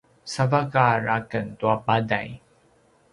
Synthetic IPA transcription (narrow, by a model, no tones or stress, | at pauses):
savakaɾakəntuabada̰j